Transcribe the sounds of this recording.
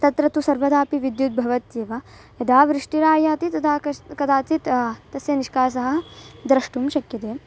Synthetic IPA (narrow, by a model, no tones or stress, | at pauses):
t̪ɐt̪ɾɐt̪usɐɾʋɐd̪aːpiʋid̪jut̪̚bʱɐʋɐt̪jeːʋɐ | jɐd̪aːʋɾɪʂʈiɾaːjaːt̪it̪ɐt̪ʰaːɐkɐd̪ʰaːt͡s̪it̪t̪ɐsjɐniʃkaːs̬ɐɦɐd̪ɾɐʂʈumʃɐkjɐt̪eː